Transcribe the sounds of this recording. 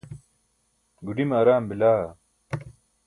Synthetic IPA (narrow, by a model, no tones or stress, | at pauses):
ɡuɖimɐɾaːmbilaː